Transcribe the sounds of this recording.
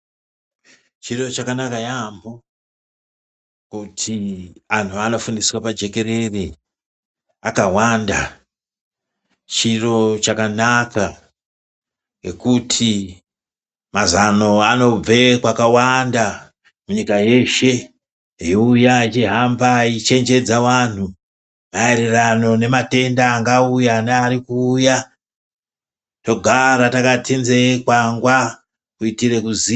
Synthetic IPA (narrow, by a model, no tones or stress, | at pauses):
t͡ʃiro̞t͡ʃakanakajambo | kutʰiantʰuano̞fundiswapad͡ʒe̞ke̞ɾe̞re | akawanda | t͡ʃiro̞t͡ʃakanaka | ŋekutʰi | mazano̞ano̞b͡vekwakawanda | muɲikaje̞ʃe̞ | ɦiujait͡ʃiɦambait͡ʃe̞nd͡ʒe̞d͡zawan̤u | mae̞ɾerano̞ne̞mate̞ndaːŋɡaujaneaɾikuːja | to̞ɡʱaɾatakatʰinzekwaŋɡwa | kuitire̞kuzi